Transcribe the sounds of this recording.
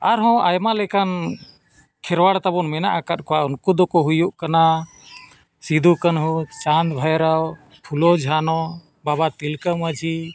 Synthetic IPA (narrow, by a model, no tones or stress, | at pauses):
aɾɦɔ̃ajmalɛkan | kʰɛɾwaɽt̪abɔnmɛna̰ʔakat̪̚kɔwaunkud̪ɔkɔɦujuʔkana | sid̪ʱukanɦut͡ʃand̪bʱajɾaw | pʰulɔd͡ʒʱanɔ | babat̪ilkəmad͡ʒʱi